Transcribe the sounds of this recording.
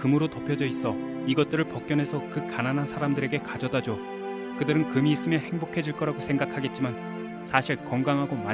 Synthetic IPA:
kɯmuɾotopʰjʌd͡ʑʌis͈ʌ | iɡʌt̚t͈ɯɾɯɭpʌk͈̚jʌnɦe̞sʰʌkɯkananɦansʰaɾamdɯɾe̞ɡe̞kad͡ʑʌdad͡ʑo | kɯdɯɾɯnkɯmiːs͈ɯmjʌhe̞ŋbokʰe̞d͡ʑuɭk͈ʌɾaɡosʰe̞ŋɡakʰaɡe̞t̚t͡ɕ͈iman | sʰaɕʰiɭkʌŋɡaŋɦaɡoma

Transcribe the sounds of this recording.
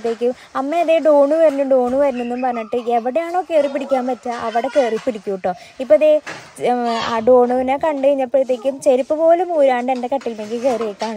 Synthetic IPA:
t̪ːeːkʲːum | ɐmːeɐðe̞ːɖoːɳuʋɐɾinːuɖoːɳuʋɐɾunːenːumpɐrɐɲːiʈːɨeʋiɽejaːɳokːeːripːiɽikʲːaːmpɐtːɐʔɐʋiɽe̞keːripːiɽikʲːuʋʈːoː | ipːoɐðe | aːɖo̞ːɳuʋinekɐɳɖeɻiɲːɐpːeit̪ːe̞ːkʲːumt͡ɕeɾipːɨpo̞ːlumuːɾaːɳɖende̞kɐʈːilumeŋɡilkeːrijekʲːaːɳɨ

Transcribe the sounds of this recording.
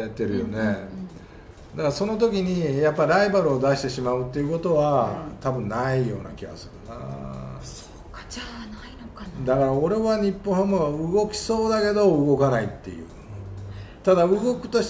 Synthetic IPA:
at̪ːe̞ɾɯ̟jo̞̰ne | d̪akaɾaso̞no̞t̪̬o̞k̬ʲiɲ̟ijapːaiɾaibaɾɯ̟o̞d̪aɕi̥t̪e̞ɕimaɯ̟t̪ːe̞iɯ̟ko̞t̪o̞βat̪abɯ̟̃nːaijo̞ːna̰kʲiɡa̰sɨɾɯna̰ | o | ainod̪akaɾao̞ɾe̞βaɲ̟ipːõhamoaɯ̟ɡo̞kʲi̥so̞ːd̪ake̞d̪o̞ɯɡo̞kanait̪ːe̞̰jɯ̰ː | t̪ad̪aɯɡo̞kɯ̟̥t̪o̞ɕ

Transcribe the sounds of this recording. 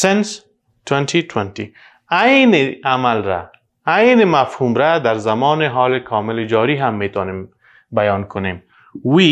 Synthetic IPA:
sɛns | t̪went̪ʰit̪want̪i | ajnɪamalɾa̰ː | jnɪmafhumɾad̪aɾzamɔːnɪɦɔːlɪkʰɔmɪlɪd͡ʒɔɾiɦamːet̪ɔnem | bajɔnkʰʊnem | wi

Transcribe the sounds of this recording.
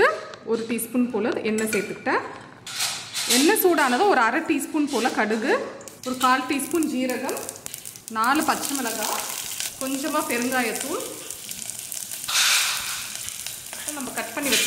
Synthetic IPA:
ɯɔɾɯʈiːspuːnpoːlɐðɯʔɛnːɐsɛjt̪ːɯkːɪʈːɐ | ɛnːɐsuːɽaːnɐðãːɔɾɯɐɾɐʈːiːspuːnpoːlɐkɐɽɯɣɯɔɾɯkaːlʈiːspuːnd͡ʒiːɾɐɣɐm | naːlɯpɐt͡ʃːɐmɪlɐɣaːkɔɲd͡ʒɐmaːpɛɾɯnɡaːjɐt̪ːuːn | ɐt̪ːɐ̃nɐmːɐkɐʈ̚pɐɳːiʋɪkː

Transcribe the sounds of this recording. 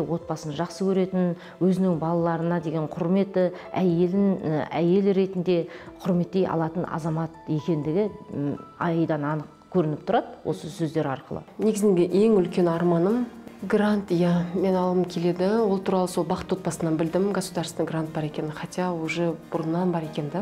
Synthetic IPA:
wo̞t̪̚bɑsənʒɑqsəkʲʰɵɾe̞t̪ɪn | wɵzɪnɪŋbɑlˠɑlˠɑɾənɑd̪e̞ɡʲeɴqʰʊɾme̞t̪ɪæje̞lɪnæ̰je̞lɪɾe̞t̪ɪnd̪e̞qʰʊɾme̞t̪ːe̞jʔɑ̰lˠɑt̪ənɑ̰zɑmɑt̪je̞kʲe̞nd̪ɪɡʲɪ | ɑ̰jjd̪ɑnɑnəq | kʲʰɵɾɪnɪpt̪ʰʊɾɑd̪wʔo̞̰səsɵzd̪e̞ɾɑ̰ɾqəlˠə̰ne̞ɡɪzɪŋɡʲeʔe̞ŋʏlkʲe̞nɑɾmɑnəmɡrant̪jɑme̞nɑlˠəmkʲʰe̞le̞d̪ɪwo̞lˠt̪ʰuɾɑlˠəso̞lˠbɑqət̪wo̞t̪̚pɑsənɑnbɪld̪ɪmɡaspud̪ɑɾst̪əɡrant̪̚bɑɾe̞kʲe̞nɪχɑt̪ijɑwuʒəbʊɾənːɑnbɑɾe̞kʲe̞nd̪æ

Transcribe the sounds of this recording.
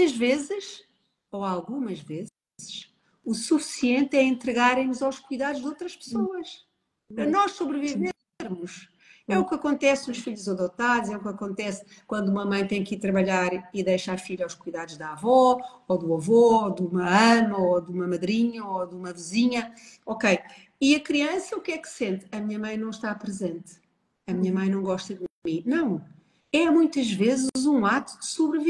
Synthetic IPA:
ɐʒvezɨʃ | oalˠɣumɐʒvez | zɨʃ | usufi̥siẽnt̪ɛɐẽnt̪ɾɨɣaɾɐ̃j̃muzawʃkujðaðuʒd̪owt̪ɾɐʃpsoɐʃ | pɾɐnɔʃsoβɾɨvive | ɾmuʃ | ɛukɐkõnt̪ɛsuʃfiʎuzɐðot̪aðzɛukɐkõnt̪ɛs | kwɐ̃nd̪uumɐmɐ̃j̃t̪ẽj̃kiɾt̪ɾɐβɐʎaɾiðejʃaɾfiʎawʃkujðaðuʒðavɔ | oðuɐvɔd̪umɐɐmɐoðumɐmɐðɾiɲɐoðumɐviziɲɐ | ɔkej | iɐkɾiɐ̃sɐukɛksẽnt̪ɐmiɲɐmɐ̃j̃nɐ̃w̃ʃt̪apɾɨzẽnt̪ | ɐmiɲɐmɐ̃j̃nɐ̃w̃ɡɔʃt̪ɐðmĩnɐ̃w̃ | ɛmũj̃t̪ɐʒvezɨzũat̪ud̪ɨsuβɾɨv

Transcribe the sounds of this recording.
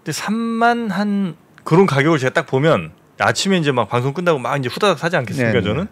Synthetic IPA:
nesʰamːanɦan | kɯɾʌnkaɡjʌɡɯɭt͡ɕe̞ɡat͈ak̚pomjʌn | a̰t͡ɕʰime̞ind͡ʑe̞mak̚paŋsʰoŋk͈ɯndaɡomaɡind͡ʑe̞ɸudadak̚sʰad͡ʑiankʰe̞s͈ɯmiik͈at͡ɕʌnɯn

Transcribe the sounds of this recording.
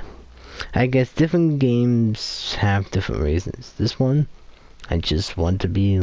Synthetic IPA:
aɪɡɛsd̥ɪfɹɨ̃nɡ̥ẽɪ̃mz̥hɨvdɪfɹə̰̃nʔɹḭzɨ̰̃nz̥ðɪswʌ̃n | aɪd͡ʒʌst̚wɑ̃ntʰɨbi

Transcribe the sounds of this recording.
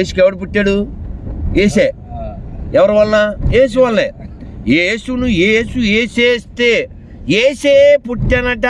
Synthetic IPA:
eːsukɛʋɐɽip̬uʈːaːɽu | eːse | ɛʋɐɾɐʋɐlnajeːs̬uʋɐlːe | jeːsunujeːsueːseːst̪e̞ː | jeːseːpuʈːɐnɐʈ̬a

